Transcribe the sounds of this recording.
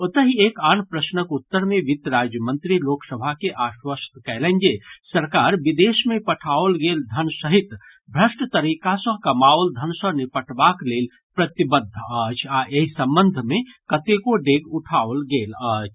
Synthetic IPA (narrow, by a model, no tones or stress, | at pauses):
ot̪əɦiekanpɾəsnəkut̪ːəɾmeʋit̪ɾad͡ʒjəmənt̪ɾiloksəbʱakeʔaʃwəst̪kɛlə̃nd͡ʒesəɾkaɾbid̪esmepəʈʰaolɡeld̪ʱənsəɦit̪ | bʱɾəsʈət̪əɾikasə̃kəmaʋld̪ʱənsə̃nipəʈbaklel | pɾət̪ibəd̪ʱːət͡ʃʰaʔeɦisəmbənd̪ʱmekət̪ekoɖeɡuʈʰaolɡeləːt͡ʃʰ